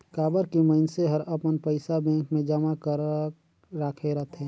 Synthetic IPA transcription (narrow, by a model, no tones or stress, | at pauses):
kaːbəɾkiməɪnseɦəɾəpənpəɪsabɛ̃ːŋkmẽd͡ʒəmakəɾ | ɾaːkʰeɾəɦt̪ʰɦɛ̃